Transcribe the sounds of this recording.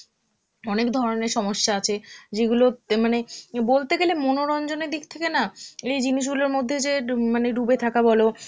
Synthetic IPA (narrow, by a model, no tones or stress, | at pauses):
ɔnekd̪ʱɔɾoneɾʃɔmoʃːaat͡ɕʰed͡ʑeɡulomanebolt̪eɡelemonoɾɔnd͡ʑoned̪ik̚t̪ʰekenaejd͡ʑiniʃ̬ɡuloɾmod̪ʱːed͡ʑemaneɖubet̪ʰakabɔlo